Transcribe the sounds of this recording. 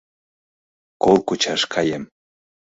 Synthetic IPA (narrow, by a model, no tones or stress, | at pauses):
kolˠkut͡ɕɑʃkʰɑjem